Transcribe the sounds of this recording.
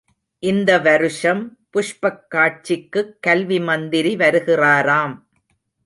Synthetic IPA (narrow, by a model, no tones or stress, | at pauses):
ʔɪnd̪ɐʋɐɾɯʂɐmpʊʂpɐkːaːʈ̚t͡ʃɪkːɯkːɐlʋimɐnd̪ɪɾiʋɐɾɯɣɪraːɾaːm